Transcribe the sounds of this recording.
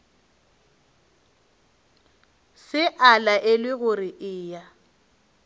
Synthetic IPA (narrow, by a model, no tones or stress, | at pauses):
sɪʔalaʔelwɪɣʊrɪʔɪːja